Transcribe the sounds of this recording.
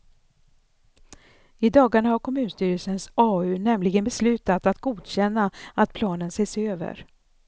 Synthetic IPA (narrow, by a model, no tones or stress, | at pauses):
ɪd̪ɑːɡaɳahaɾkʰɔmʉ̟ːnst̪yːɾəlsənsɑːʉ̟ːnɛmlɪɡənbɛslʉ̟ːt̪at̪at̪ɡuːd̪ɕɛnːaat̪̚pʰlɑːnənseːsøːvə̰ɾ